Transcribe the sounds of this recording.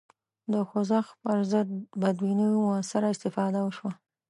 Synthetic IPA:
d̪əxʊzaxpəɾzəd̪̚bad̪winimʊasɪɾaɪst̪ɪfɑd̪awəʃwa

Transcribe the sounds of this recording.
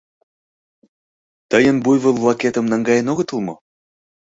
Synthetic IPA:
t̪əjənbujβəlvlˠɑket̪ə̆mnɑŋɡɑjenoɣə̆t̪əlˠmo

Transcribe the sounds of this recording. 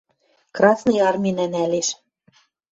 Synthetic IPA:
krɑsnɤ̆jɑrmʲinænæleʃ

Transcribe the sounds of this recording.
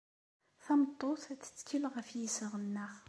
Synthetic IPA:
θæmət̪ˤːoθæt͡sːə̥t͡sːkːilʁəfjisəʁənːəχ

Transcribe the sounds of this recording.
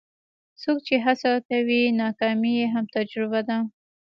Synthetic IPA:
sok̚t͡ʃeɦasakawinɑkɑmijeɦamt̪ad͡ʒɾɪbad̪a

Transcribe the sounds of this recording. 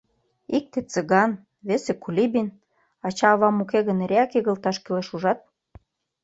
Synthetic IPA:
ik̚t̪et͡sə̆ɣɑn | βesekulʲibin | ɑt͡ɕɑːβɑmukeɣə̆neɾeɑkeɣə̆lt̪ɑʃkeleʃuʒɑt̪̚

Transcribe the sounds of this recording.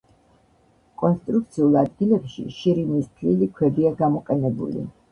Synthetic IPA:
kʼɔnst̪ʼɾuk̚t̪sʰiulˠad̪ɡilɛpʃḭʃiɾimistpʰlilikʰwɛbiaɡamɔqʼɛnɛbṵlḭ

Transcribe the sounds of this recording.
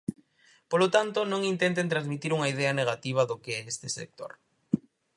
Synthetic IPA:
polot̪ant̪onõŋint̪ent̪ent̪ɾãzmit̪iɾuŋɐið̞ɛɐneɣ̞at̪iβ̞ɐðokeɛest̪ɪsḛk̚t̪o̰ɾ

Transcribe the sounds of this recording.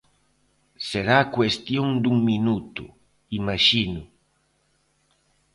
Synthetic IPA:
seɾaːkwest̪jɔŋd̪uŋminut̪ṵ | imaʃinʊ

